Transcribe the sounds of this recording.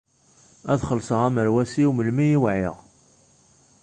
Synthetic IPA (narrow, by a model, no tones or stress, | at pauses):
æðχəlsəʁæməɾwæsiuməlmijiwʕɪʁ